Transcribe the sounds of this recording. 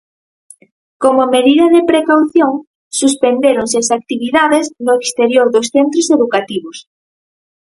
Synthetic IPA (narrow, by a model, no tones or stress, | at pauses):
komomeðiðɐðepɾekawθjoŋ | suspend̪eɾoŋseasak̚t̪iβiðaðeznoekst̪eɾjoɾðosθent̪ɾoseðukat̪iβos